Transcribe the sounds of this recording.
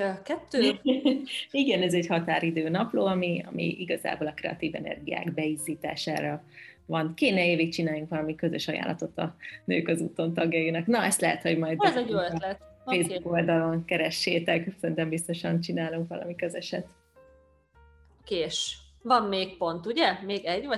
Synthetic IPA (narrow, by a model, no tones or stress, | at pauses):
kɛt̪ːøː | iɡɛnɛzɛɟhɒt̪aːɾid̪øːnɒploːɒmiɒ̰mḭiɡɒza̰ːboːlɒkrɛɒ̰t̪iːvɛ̰nɛ̰rɡija̰ːɡbɛiziːt̪a̰ːʃa̰ːɾɒvɒnkeːnɛeːviːkt͡ʃinaːjuŋkʋɒlɒmikø̞zøʃɒja̰ːlːʔɒ̰t̪ot̪ɒ̰nø̰ːkɒzuːt̪o̞nt̪ɒɡjɒjinɒknɒɛst̪lɛɦɛt̪ho̞ɟmɒjd̪iɛzɛolɛt̪feːzuko̞ld̪ɒlo̞ŋkɛɾɛʃːeːt̪ɛksɛnt̪ɛmbist̪o̞ʃɒnt͡ʃinaːluŋkʋɒ̰lɒ̰mikøzɛʃɛt̪ | okeːʃvɒmmeːk̚po̞nt̪uɟɛmeːɡɛɟvɒ